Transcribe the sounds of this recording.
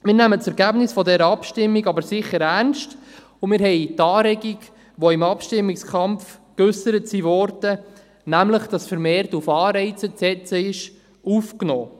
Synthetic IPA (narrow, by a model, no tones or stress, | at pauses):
mɪːɾnæmətt͡sɛɾɡæbnɪsfɔdɛɾəɑpʃtɪmːiɡɑbəɾsɪχːəɾæɾnʃt | ʊmɪːɾɦɛɪtɑːɾɛɡiɡ | ʋoɪmɑpʃtɪmːɪkskʰɑmfkʏsəɾətsiʋɔɾd̥ə | næmləχd̥ɑsfəɾmɛːrtufɑːɾɛɪt͡sət͡sɛt͡səɪʃ | ufknɔː